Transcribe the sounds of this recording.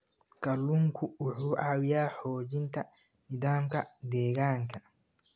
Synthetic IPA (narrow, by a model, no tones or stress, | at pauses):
kʰɐlːuŋkʰʊʊħuːʔaːwjaːħɔːd͡ʒɪnt̪ʰɐ | nɪd̪aːmkʰɐd̪ɛːɣaːŋkʰɐ